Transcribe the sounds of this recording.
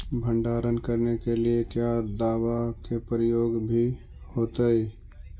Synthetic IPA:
bʱə̃ɳɖaːɾənkəɾnekeliekjad̪aːʋakepɾɪjoːɡbʱi | hoːt̪əe

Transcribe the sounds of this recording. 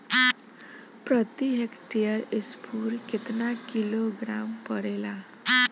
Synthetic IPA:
pɾət̪iɦekʈijəɾispʰuːɾket̪nakiloɡɾampəɽela

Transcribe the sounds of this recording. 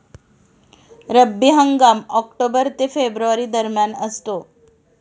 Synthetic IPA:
ɾəbːiɦəŋɡamɔkʈobəɾt̪efebɾuʋaɾid̪əɾmjanəst̪o

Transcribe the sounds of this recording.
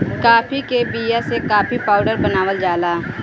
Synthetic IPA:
kaːpʰikebijasekaːpʰipaːʊɖəɾbənaːʋəld͡ʒaːlaː

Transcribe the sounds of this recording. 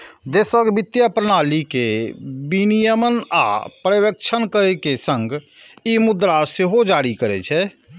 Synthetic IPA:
d̪eːsəɡbɪt̪japɾənaːlikebinijəməna̰pɾəʋək̚t͡ʃʰənkəɾekesə̃ŋɡ | imʊd̪ɾaseɦod͡ʒaːɾikəɾet͡ʃʰɛ

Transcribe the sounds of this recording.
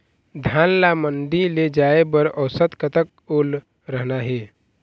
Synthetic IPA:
d̪ʱaːnlamənɖiled͡ʒaebəɾəʊsət̪kət̪ək̚ | ol | ɾəɦnaɦe

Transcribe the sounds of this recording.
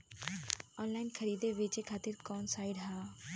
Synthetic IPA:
ɔːnlaːɪnkʰəɾiːd̪eʋet͡ʃekʰaːt̪ɪɾkɔːnsaːɪɖɦaː

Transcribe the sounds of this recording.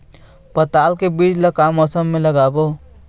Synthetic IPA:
pət̪alkebid͡ʒləkamɔsəmːeləɡabo

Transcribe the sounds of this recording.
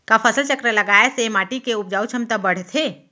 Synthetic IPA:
kapʰəsəlt͡ʃəkɾeləɡaːesemaːʈikeʊpd͡ʒaːut͡ʃʰɐmt̪əbəɽ̤t̪ʰe

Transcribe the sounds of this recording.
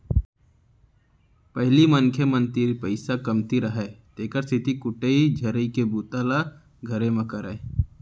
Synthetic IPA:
pəɦliməŋkʰjəmə̃nt̪iɾpəɪsakɐmt̪iɾəɦɛt̪eːkəɾst̪ʰɪt̪ikʊʈeid͡ʒʱəɾikebuːt̪aːla | ɡʱəɾẽməkəɾeː

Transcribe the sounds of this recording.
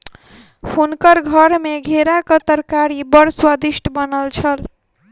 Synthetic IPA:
hunkəɾɡʱəɾmeɡʱeɾakət̪əɾkaɾibəɾswəd̪isʈʰbənəlt͡ʃʰəl

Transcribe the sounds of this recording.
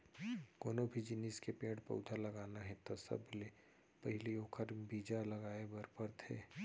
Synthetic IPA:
ɡoːnobʱid͡ʒɪniskepẽːʈpɐ̰ʊd̪ʱalɐɡaːnaɦɛ̃t̪asɐ̰ble | pɐɦɪlioːkʰəɾbiːd͡ʒalɐɡaːebɐɾpəɾt̪ʰḛː

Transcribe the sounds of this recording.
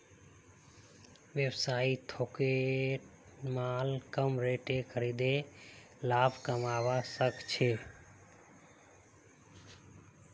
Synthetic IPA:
ʋjəwsaːit̪ʰoːkeʈ | maːlkəmɾeːʈekʰəɾiːd̪e | laːbʱkəmaːʋasəkt͡ʃʰeː

